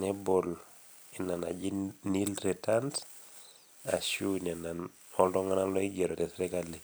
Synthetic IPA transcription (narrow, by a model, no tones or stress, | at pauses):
nebol | inana̰d͡ʒinilɾetant | a̰ʃunenan | ɔldɔŋanalɔiɡeɾotesɾekale